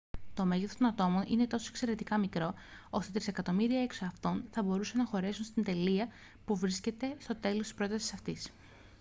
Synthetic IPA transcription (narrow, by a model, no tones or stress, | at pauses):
t̪o̞meʝeθot̪onɐt̪o̞mo̞nine̞t̪o̞so̞ekse̞ɾe̞t̪ikɐmikɾo̞o̞st̪et̪ɾise̞kɐt̪o̞miɾiɐe̞ksoɐft̪o̞nθɐbo̞ɾuse̞nɐxo̞ɾe̞sunst̪ind̪e̞liɐ | puvɾisce̞t̪e̞st̪o̞t̪e̞lo̞st̪i̥spɾo̞t̪ɐsi̥sɐft̪is